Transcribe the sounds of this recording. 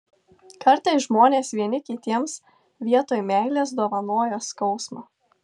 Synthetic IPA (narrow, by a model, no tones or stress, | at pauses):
kɐɾˑt̪ɐɪsʒmoːnʲeːsʋʲiɛnʲɪkʲɪt̪ʲiɛms | ʋʲiɛt̪oːjmʲæːˑlʲeːs̬d̪uɔʋɐnuɔjoːskɒʊsmɑː